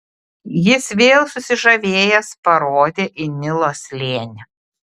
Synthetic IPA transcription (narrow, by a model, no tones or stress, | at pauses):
jɪsʋʲeːlˠsʊsʲɪʒɐʋʲeːjɛspɐɾoːd̪ʲeːʔɪnʲɪlˠoːsʲlʲeːnʲɛ